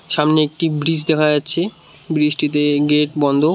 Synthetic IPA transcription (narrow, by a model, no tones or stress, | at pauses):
ʃamneek̚ʈibɾid͡ʑd̪ɛkʰad͡ʑatːɕʰe | bɾiʃʈit̪eɡeʈ̚bɔnd̪ʱo